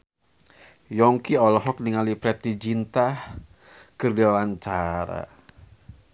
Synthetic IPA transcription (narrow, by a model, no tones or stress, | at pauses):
jɔŋkiɔlɔɦɔk̚niŋalipɾɛt̪id͡ʒint̪ah | kərdewant͡ʃaɾa̰